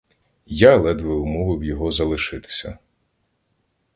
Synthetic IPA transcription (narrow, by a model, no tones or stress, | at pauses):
jalˠɛd̪ʋɪʊmɔʋɪwjɔɦɔzɐlˠɪʃɪt̪ɪ̥sʲɐ̰